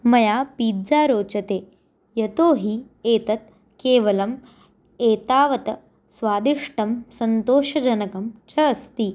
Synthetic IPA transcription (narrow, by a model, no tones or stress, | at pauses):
mɐjapiːd͡zaːɾoːt͡ɕɐt̪eː | jɐt̪oːɦiː | eːt̪ɐt̪̚ | keːʋɐlɐm | eːt̪aːʋɐt̪ɐ | sʋaːd̪iʂʈɐmsɐnt̪oːʃɐd͡ʑɐnɐkɐmt͡ʃɐːst̪iː